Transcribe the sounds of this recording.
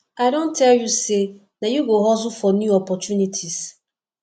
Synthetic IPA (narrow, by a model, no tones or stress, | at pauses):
aɾɔ̃n̩tʰɛjuse | najuɡoɦɔzʊfɔnjuɔpɔtunitʰis